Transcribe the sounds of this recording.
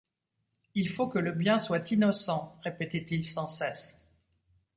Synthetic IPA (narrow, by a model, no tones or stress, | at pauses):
ilfokələbjɛ̃swat̪inɔsɑ̃ʁepet̪ɛt̪ilsɑ̃sɛs